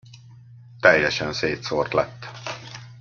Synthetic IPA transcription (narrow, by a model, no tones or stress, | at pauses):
t̪ɛjːɛʃɛnseːt̪sort̪lɛ̰t̪ː